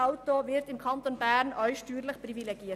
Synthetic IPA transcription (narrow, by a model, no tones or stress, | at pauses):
ʔaʊtovɪɾtɪmkʰɑnt̪onbæɾnʔœʏʃtyːɾlɪçpʁivileɡiːət